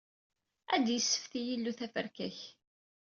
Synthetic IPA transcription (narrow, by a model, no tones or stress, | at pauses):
æd̪jəsːə̥fθijilːuθæfəɾkæç